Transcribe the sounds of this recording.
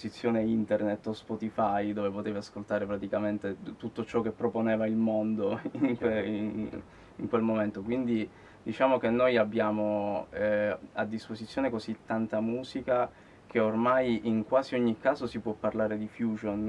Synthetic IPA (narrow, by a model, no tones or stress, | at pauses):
sit̪sːjoːneint̪ernet̪ːospɔt̪ifajd̪oːvepot̪eːveaskolt̪aːɾepɾat̪ikament̪et̪ut̪ːot͡ʃɔk̟ːepːɾoponɛːvailmond̪oiŋkwe | iŋkwelmoment̪okwind̪i | d̪it͡ʃaːmok̟enːojabːjaːmoɛad̪ːispozit̪sːjoːnekozit̪ːant̪amuːzika | k̟eormajʔiŋkwaːziɔɲːikːaːzosipwɔpːarlaːɾed̪ifjuːd͡ʒon